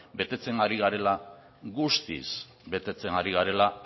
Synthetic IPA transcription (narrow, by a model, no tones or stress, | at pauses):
be̞t̪e̞t͡se̞ŋɡaɾiɣaɾe̞la | ɣust̪ḭs | be̞t̪e̞t͡se̞ŋɡaɾiɣaɾe̞la